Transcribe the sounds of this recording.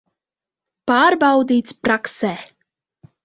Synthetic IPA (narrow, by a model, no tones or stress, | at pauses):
paːɾbawd̪iːt̪spɾaksɛː